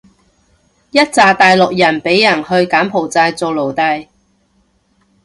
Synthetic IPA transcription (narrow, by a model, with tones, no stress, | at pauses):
jɐ˥t̚t͡saː˨˧t̪aː˨jlʊ˨k̚jɐ˨˩npe˨˥jːɐ˨˩nhɵ˧ɥkaː˨˥mpʰo˨˩wt͡saː˧jt͡so˨wlo˨˩wt̪ɐ˧j